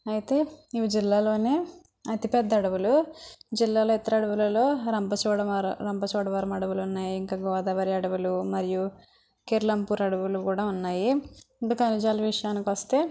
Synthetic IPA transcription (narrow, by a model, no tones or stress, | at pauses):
ɐjit̪e̞ːiʋid͡ʒilːaːlo̞ːneː | ɐt̪ipɛd̪ːɐɐɽɐwulud͡ʒilːaːloːit̪ɐɾɐɽɐʋulɐlo̞ːɾɐmpɐt͡ʃɔːɽɐmɾɾɐmpɐt͡ʃɔːɽɐʋɐɾɐmɐɽɐʋulunːaːjiiŋkaːɡɔːd̪ɐːʋɐɾiɐɽɐʋulumɐɾiju | keɾlɐmpuːɾɐɽɐʋulukuːɽaːunːaːjiɖukɐnid͡ʒaːlɐʋiʂɐjaːnikʋɐst̪e̞ː